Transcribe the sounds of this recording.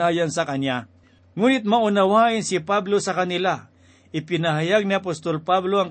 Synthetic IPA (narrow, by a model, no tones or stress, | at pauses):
aːjɐnsɐkɐnja | ŋuːnɪt̪̚mɐʔʊnɐwaːʔɪnsɪpablo̞sɐkɐnɪla | ʔɪpɪnɐɦajaɡ̚niɐp̬ost̪olpablo̞ʔɐŋ